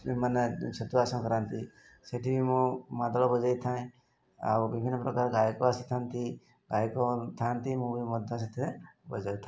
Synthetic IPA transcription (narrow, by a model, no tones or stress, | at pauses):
imanet͡ʃɐt̪uasɔ̃kəɾant̪i | seʈʰibʱimũmad̪lɔbɔd͡ʒajt̪ʰaĩ | a̰bbibʱinːəpɾɔkaːɾɡajkɔasit̪ʰant̪i | ɡajkɔt̪ʰant̪imũbimɔd̪ʱːaset̪ʰebəd͡ʒajit̪ʰa